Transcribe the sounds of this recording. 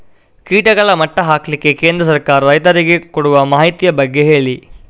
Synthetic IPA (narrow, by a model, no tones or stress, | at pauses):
kiːʈɐɡɐɭɐmɐʈːɐɦaːkɐlikːeke̞ːnd̪ɾɐsɐɾkaːɾɐɾɐjt̪ɐɾiɡekoɽuʋɐmaːɦit̪ijɐbɐɡːe̞ɦe̞ːɭi